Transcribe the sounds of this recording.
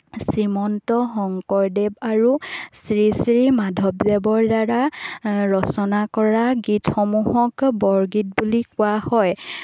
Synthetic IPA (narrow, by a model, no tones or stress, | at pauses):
sɹimɔntɔxɔŋkɔɹdebaɹusɹisɹimadʱɔbzɛbɔɹdaɹaɹɔsɔnakɔɹaɡitʰxɔmuɦɔkbɔɹɡit̚bulikʊahɔj